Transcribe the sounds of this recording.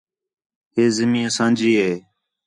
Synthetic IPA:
ɦeːzɪmĩːəsãːnd͡ʒiːɦeː

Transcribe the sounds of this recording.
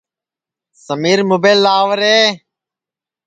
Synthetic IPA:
səmiːɾmʊbeːlːaːʋəɾeː

